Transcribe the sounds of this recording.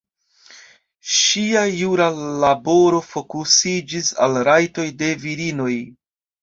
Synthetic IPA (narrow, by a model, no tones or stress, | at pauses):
ʃiajuɾalabo̞ɾo̞fo̞kusid͡ʒisa̰lɾajto̞jde̞viɾino̞j